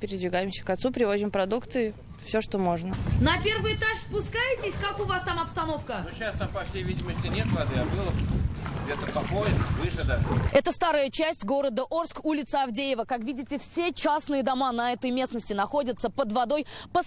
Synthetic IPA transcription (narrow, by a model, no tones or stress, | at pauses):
pʲɪɾʲɪd̪vʲɪɡajɪmsʲə̥kɐt̪supɾʲɪvo̞zʲɪmpɾɐd̪ukt̪sɨɪ | fsʲoʂt̪omo̞ʐnənɐpʲe̞rvɨjɪt̪aʂspʊskajɪtʲɪsʲkakʊvast̪amɐpst̪ɐno̞fkəoɕːast̪ampɐfʲsʲejvʲidʲɪməsʲtʲɪnʲet̪vad̪ɨjabɨlˠəɡdʲet̪əpɐkojɪvɨʂəd̪əɛt̪əst̪aɾəjət͡ɕæsʲtʲɡo̞ɾəd̪əʔo̞rskulʲɪt̪səɐvdʲejɪvəkakvʲidʲɪtʲɪfsʲet͡ɕasnɨjɪd̪ɐmanɐɛt̪əjmʲe̞snəsʲtʲɪnɐxo̞dʲət̪səpəd̪vɐd̪o̞jpə